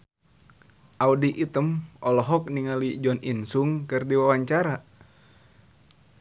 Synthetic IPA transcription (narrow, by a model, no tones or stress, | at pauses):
ʔaudiʔit̪əmɔlɔɦɔk̚niŋalid͡ʒɔninsuŋkɨrdiwawaɲt͡ʃaɾa